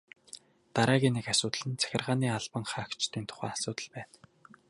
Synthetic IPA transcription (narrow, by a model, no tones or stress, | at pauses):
t̪aɾæːɣʲiːnekasʊːt̪əɮɘ̆nt͡sʰæ̥xʲɪ̆rʁaːniːaɮpə̆ŋχaːkt͡ɕt̪ʰiːnt̪ʰʊ̥χæ̰ːasʊːt̪ə̆ɮpæːn